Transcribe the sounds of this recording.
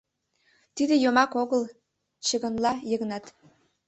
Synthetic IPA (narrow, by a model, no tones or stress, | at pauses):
t̪id̪ĕjomɑkoɣəl | t͡ɕə̆ɣə̆nlɑjɤɣnɑt̪